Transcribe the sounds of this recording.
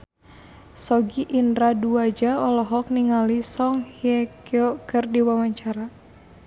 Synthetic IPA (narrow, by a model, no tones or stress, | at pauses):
sɔɡiʔːndɾaduad͡ʒaɔlɔɦɔk̚niŋalisɔŋhiɛkiɔkɨrdiwawaɲt͡ʃaɾa